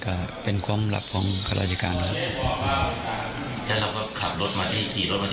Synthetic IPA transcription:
ka˧˩pe˧nkʰwu˧˥˨mla̰˧˩p̚kʰɔː˨˦ŋkʰa˧la̰ː˧˩t͡ɕa˧kaː˧nkʰa˧˥ | lɛ˦˥ɾa˧wkɔː˥˩kʰa˨˩p̚lo˦˥t̪̚maː˧t̪ʰiː˥˩˨kʰiː˨˩ɾo˦˥t̪̚ma˧

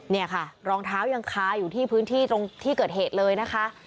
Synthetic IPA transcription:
ni˥˩ɐkʰa˥˩ɾɔː˧ŋt̪ʰaː˦˥wja˧ŋkʰaː˧juː˨˩t̪ʰiː˥˩pʰɯː˦˥nt̪ʰiː˥˩t̪ɾo˧ŋt̪ʰiː˥˩kɤː˨˩t̪̚ɦeː˨˩t̪̚lɤː˧jna˦˥kʰa˦˥ʔ

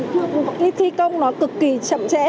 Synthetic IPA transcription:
i˧˦t̪ʰi˧kə˧wŋ͡mnɔ˨˦kɨ˨˩kːi˨˩t͡ɕə̰˧˨mt͡ɕɛ̰˧˥

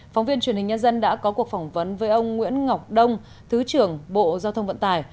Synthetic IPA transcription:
fa˨˦wŋ͡mvi˧ənt͡ɕwi˨˩ənhï˨˩ŋ̟ɲə˧nzə˧nɗa̰ː˧˥kɔ˨˦ku˨˩ək̚fa˧˩wŋ͡mvə˨˦nvəː˨˦jʔə˧wŋ͡mŋwḭ˧˥ənŋa˨˩wk͡p̚ɗə˧wŋ͡m | t̪ʰɨ˨˦t͡ɕɨ˨˩əŋɓo̰˧˨zaː˧wt̪ʰə˧wŋ͡mvə̰˧˨nt̪aː˧˩j

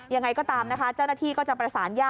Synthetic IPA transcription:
ja˧ŋa˧jkɔː˥˩t̪aː˧mna˦˥kʰa˦˥t͡ɕa˥˩wna˥t̪ʰiː˥˩kɔː˥˩t͡ɕa˨˩pɾa˧saː˩˦njaː˥˩

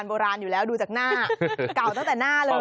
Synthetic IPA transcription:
nɓoː˧ɾaː˧njuː˨˩lɛː˦˥wɗuː˧t͡ɕaː˨˩k̚naː˥˩ka˨˩wt̪a˥ŋ˩t̪ɛː˨˩naː˥˩lɤː˧

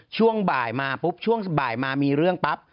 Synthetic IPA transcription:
t͡ɕʰu˥˩əŋbaː˨˩jmaː˧pu˦˥p̚t͡ɕʰu˥˩əŋ̚˨˩baː˨˩jmaː˧miː˧ɾɯ˥˩əŋpa˦˥p̚

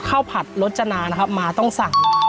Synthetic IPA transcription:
kʰa˥˩wpʰa˨˩t̪̚lo˦˥t̪̚t͡ɕa˧naː˧na˦˥kʰa˦˥p̚maː˧t̪ɔ˥˩ŋsa˨˩ŋ

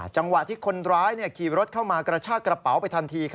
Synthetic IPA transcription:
t͡ɕa˧ŋwa˨˩t̪ʰiː˥˩kʰo˧nɾaː˦˥jniː˥˩əkʰiː˨˩ɾo˦˥t̪̚kʰaː˥˩wmaː˧kɾaː˧t͡ɕʰaː˥˩kɾa˧pa˩˦wpa˧jt̪ʰa˧nt̪ʰiː˧kʰ

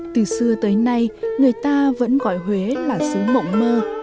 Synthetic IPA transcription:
t̪ɨ˨˩sɨ˧ət̪əː˨˦jna˧jŋɨ˨˩əjt̪aː˧və̰˧˥nɣɔ˧˩˨jɦwe˨˦laː˨˩sɨ˨˦mə̰˧˨wŋ͡mməː˧

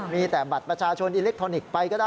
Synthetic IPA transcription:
miː˧t̪ɛː˨˩ba˨˩t̪̚pɾa˧t͡ɕʰaː˧t͡ɕʰo˧nʔiː˧le˦˥k̚t̪ʰɾɔː˧ni˨˩k̚pa˧jkɔː˥˩daː˥

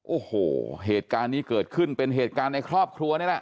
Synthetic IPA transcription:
ʔoː˨˩hoː˨˩ɦeː˨˩t̪̚kaː˧nːiː˦˥kɤː˨˩t̪̚kʰɯ˥˩npe˧nɦeː˨˩t̪̚kaː˧nːa˧jkʰɾɔː˥˩p̚kʰɾu˧ɐni˥˩lɛ˦˥ʔ

